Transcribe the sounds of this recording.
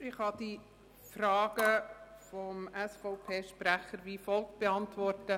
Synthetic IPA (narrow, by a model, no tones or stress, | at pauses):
ɪχhɑd̥i | frɑːɡ̥əfɔmæsfɔʊpʰeːʃpræχəɾʋifɔlkb̥eɑntʋɔrtə